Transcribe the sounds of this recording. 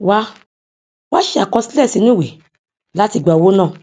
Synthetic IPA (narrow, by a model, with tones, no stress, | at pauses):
wa˧˦ | wa˦ʃe˧˦a˨kɔ˧si˦lɛ˦˨si˧nũ˦˨we˨ | la˦ti˦˧˨ɡ͡ba˨wo˦nãː˦˨